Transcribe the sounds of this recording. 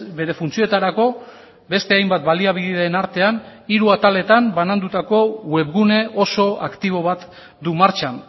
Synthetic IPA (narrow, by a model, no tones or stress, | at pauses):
be̞ɾe̞funt͡siot̪aɾako̞ | be̞st̪e̞ajmbat̪baliaβ̞iðiðaenaɾt̪e̞aniɾuat̪ale̞t̪ambanand̪ut̪ako̞we̞βɣune̞o̞so̞akt̪iβ̞o̞β̞at̪ | d̪umaɾt͡ʃan